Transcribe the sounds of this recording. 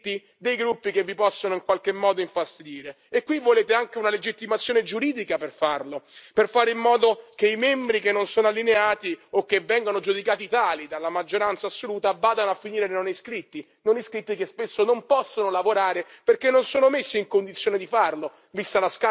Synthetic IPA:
t̪ːi | d̪ejɡɾupːikevːipɔsːonoiŋkwalk̟emːɔːd̪oiɱfast̪id̪iːɾe | ekːwivːoleːt̪eaŋkeunaled͡ʒit̪ːimat̪sːjoned͡ʒuɾiːd̪ikaperfarloperfaːɾeimːɔːd̪okeimɛmbɾikenːonsoːnalːineaːt̪iokːevːɛŋɡonod͡ʒud̪ikaːt̪it̪aːlid̪alːamad͡ʒːoɾant̪saːsːoluːt̪avaːd̪anoafːiniːɾelenoniskɾit̪ːi | noniskɾit̪ːikespesːonompɔsːonolavoɾaːɾeperkenːonsoːnomesːiŋkond̪it̪sjoːned̪ifarlo | vist̪alaska

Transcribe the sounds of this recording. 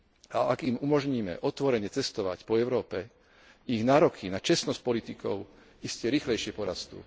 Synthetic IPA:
aʔaɡimumɔʒɲiːmɛ̰ʔɔt̪ʋɔɾɛɲɛt͡sɛst̪ɔʋa̰cpɔɛʊɾɔːpɛ | iɣnaːɾɔkʰinat͡ʃɛsnɔsc̚pɔlit̪ikɔʊ | iscɛɾiːxlɛjʃɪɛpɔɾast̪ṵː

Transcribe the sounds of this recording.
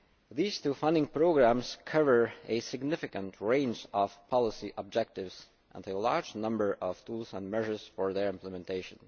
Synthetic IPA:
ðiːz̥tʰufʌ̃ndɪ̃ŋpʰɹ̥oʊɡɹæ̃mz̥kʰʌvə˞ɨsɨɡnɪfɨkə̃ntʰɹẽɪ̃nd͡ʒʌv̥pʰɑlˠəsiʔəb̚d͡ʒɛk̚tɪvz̥ | ʔə̰̃nəlɑɹd͡ʒnʌ̃mbə˞ʔʌv̥t̪ʰulˠzə̃nmɛʒə˞z̥fɔɹðə˞ɪ̃mpləmɛ̃ntʰeɪʃə̃n

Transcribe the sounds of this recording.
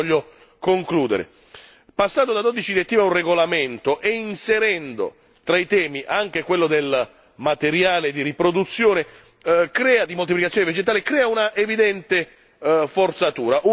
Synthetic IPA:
ɔʎːo | koŋkluːd̪ḛɾḛ | pasːand̪od̪ad̪od̪it͡ʃid̪iet̪ːiːmaunreɡolament̪oʔeinseɾɛnd̪o̰ | t̪ɾait̪ɛːmiʔaŋk̟ekwelːod̪el | mat̪eɾjaːled̪iɾipɾod̪ut̪sːjoːne | kɾɛːad̪imolt̪iplikat̪sjoːneved͡ʒet̪aːlekɾɛːaunaʔevid̪ɛnt̪e | fort̪sat̪uːɾaʔu

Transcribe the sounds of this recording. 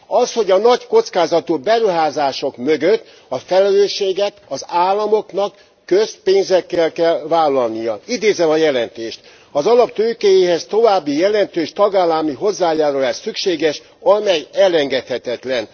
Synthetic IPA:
ɒsho̞ɟɒnɒcko̞t̪skaːzɒt̪ubɛɾuɦaːzaːʃo̞kmøɡøt̪ː | ɒfɛlɛløːʃːeːɡɛt̪ɒzaːlːɒmo̞knɒkː | øspeːnzɛkːɛlkɛlvaːlːɒlnijɒid̪eːzɛmɒjɛlɛnt̪eːʃt̪ | ɒzɒlɒpt̪øːkejeːɦɛst̪o̞vaːbːijɛlɛnt̪øːʃt̪ɒɡaːlːɒmiɦo̞zːaːjaːɾulɛʃsykʃeːɡɛʃ | ɒmɛjɛlɛŋɡɛt̪hɛt̪ɛt̪lɛn

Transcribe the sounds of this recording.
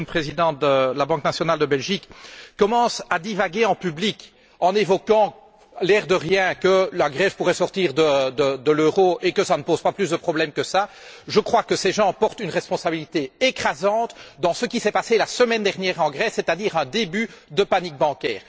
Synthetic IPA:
pχezid̪ɑ̃t̪̚d̪əəlabɑ̃knasjɔnald̪əbɛlʒikːɔmɑ̃sad̪ivaɡʲeɑ̃pyblik | ɑ̃nevɔkɑ̃ | lɛʁd̪əʁjɛ̃kəlaɡʁɛvpuʁɛsɔʁt̪iːʁd̪əd̪əd̪əløːʁoekəsanəpozpaplysd̪əpχɔblɛmkəsa | ʒəkχwakəsɛʒɑ̃pɔʁt̪ynʁɛspɔ̃sabilit̪eekχazɑ̃t̪d̪ɑ̃səkʲisɛpaselasəmɛnd̪ɛʁnjɛːʁɑ̃ɡʁɛsːɛt̪ad̪iːʁɛ̃d̪ebyd̪əpanik̚bɑ̃kʲɛ̰ːʁ

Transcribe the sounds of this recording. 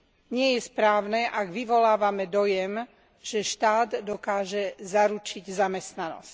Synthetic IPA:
ɲɪɛjɛspɾaːʊnɛʔaɡʋiʋɔlaːʋamɛd̪ɔjɛm | ʒ̥ɛʃt̪aːd̪d̪ɔkaːʒɛzaɾut͡ʃiɟzamɛst̪nanɔ̰sc

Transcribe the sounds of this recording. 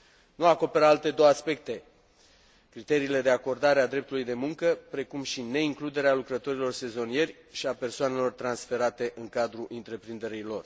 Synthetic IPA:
nuako̞pe̞ɾalt̪e̞d̪o̞waspe̞k̚t̪e̞ | kɾit̪e̞ɾiːle̞d̪e̞ako̞rd̪aɾead̪ɾe̞p̚t̪ulujd̪e̞muŋkəpɾe̞kumʃine̞iŋklud̪e̞ɾealukɾət̪o̞ɾilo̞rse̞zo̞nije̞rʲ | ʃiape̞rsoane̞lo̞rt̪ɾansfe̞ɾat̪e̞ʔɨŋkad̪ɾuʔint̪ɾe̞pɾind̪e̞ɾilo̞r

